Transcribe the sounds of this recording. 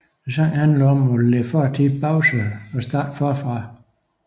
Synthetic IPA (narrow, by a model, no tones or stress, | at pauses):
sɑŋ̰hænlɒmɔlefɒt͡sʰi̥b̥ʰɑʊsəɒsd̥ɑ̰̈ːd̥fɒfʁɑ̈